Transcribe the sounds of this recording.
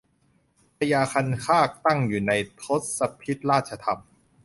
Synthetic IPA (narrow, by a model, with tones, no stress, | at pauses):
pʰa˧jaː˧kʰa˧nkʰaː˥˩k̚t̪a˥˩ŋjuː˨˩na˧jt̪ʰo˦˥t̪̚sa˧pʰi˦˥t̪̚ɾaː˥˩t̪̚t͡ɕʰa˧t̪ʰa˧m